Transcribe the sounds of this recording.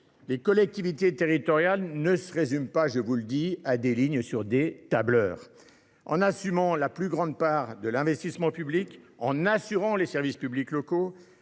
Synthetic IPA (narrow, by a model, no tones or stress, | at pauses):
lekɔlɛk̚t̪ivit̪et̪eʁit̪ɔʁjalnəsəʁezympaʒəvuləd̪iad̪eliɲsyʁd̪et̪ablœːʁ | ɑ̰̃nasymɑ̃laplyɡʁɑ̃d̪paʁd̪əlɛ̃vɛst̪ismɑ̃pyblikɑ̃nasyʁɑ̃lesɛʁvispybliklɔko